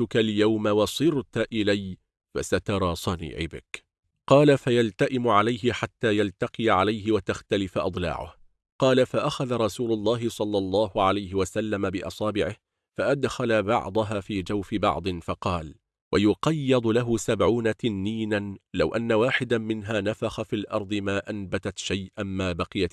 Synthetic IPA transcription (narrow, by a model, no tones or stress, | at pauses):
t̪ʊkaljawmawɑsˤɨɾt̪ʔɪlaj | fa̰sat̪ɑɾˤɑːsˤɑnḭːʕɪ̰bɪ̰k | qɑːlafajalt̪aʔɪmʊʕalajɦɪħat̪ːaːjalt̪ɑqijʕalajɦɪwat̪axt̪alɪfaʔɑd̪ˤlɑ̰ːʕʊ̰h | qɑːlafaʔaxaðaɾˤɑsuːlʊlˤːɑːɦɪsˤɑlːɑlˤːɑːhʊʕalajɦɪwasalːamabɪʔɑ̰sˤɑːbɪʕɪh | faʔad̪xalabɑ̰ʕd̪ˤɑɦaːfiːd͡ʒawfɪbɑ̰ʕd̪ˤɨnfɑqɑːl | wʔajʊqɑjːɑd̪ˤlaɦʊsabʕuːnat̪ɪnːiːnanlawʔanːawaːħɪd̪amɪnɦaːnafaxafiːlʔɑɾˤd̪ˤɨmaːʔanbat̪at̪ʃajʔanmaːbɑqɨjat̪